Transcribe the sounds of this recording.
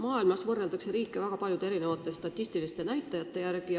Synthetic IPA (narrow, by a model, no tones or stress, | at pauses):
mɑːilmɑsvɤrːeld̪ɑkse̞ɾiːkːˑevæɡ̥ɑpɑljud̪eeɾine̞vɑt̪ːˑest̪ɑt̪ʲːˑist̪ilist̪e̞næjt̪ːˑɑjɑt̪ːe̞jærɡ̥i